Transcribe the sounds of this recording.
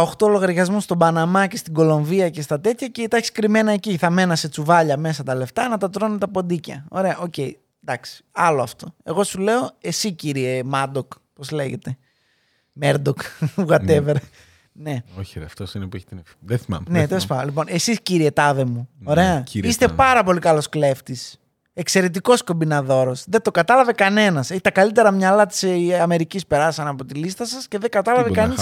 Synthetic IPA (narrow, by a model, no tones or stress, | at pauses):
oxt̪olo̞ɣɐɾʝɐzmust̪o̞bɐnɐmɐce̞st̪iɡo̞lo̞ɱviɐce̞st̪ɐt̪e̞t̪çɐceit̪ɐçi̥skɾime̞nɐeciθɐme̞nɐse̞t͡suvɐʎɐme̞sɐt̪ɐle̞ft̪ɐnɐt̪ɐt̪ɾo̞net̪ɐpo̞d̪icɐ̰o̞ɾe̞ɐʔo̞ce̞i | d̪ɐksi̥ɐloɐft̪o̞e̞ɣo̞sule̞o̞e̞siciɾie̞mɐd̪ok | po̞zle̞ʝe̞t̪e̞ | meɾd̪okuɣɐt̪eveɾe | ne̞oçɾeɐft̪osinepueç̥t̪nfðeθimɐ̰mnet̪elospɐlipo̞ne̞sisciɾie̞t̪ɐðe̞muoɾe̞ɐist̪e̞pɐɾɐpo̞likɐlo̞skle̞ft̪is | ekse̞ɾe̞t̪iko̞sko̞mbinɐðo̞ɾo̞sðe̞d̪o̞kɐt̪ɐlɐvekɐne̞nɐseçi̥t̪ɐkɐlit̪e̞ɾɐmɲɐlɐt̪i̥seɐme̞ɾicispe̞ɾɐssɐnɐpot̪ilist̪ɐsɐsce̞ðe̞ɡɐt̪ɐlɐvekɐnenɐs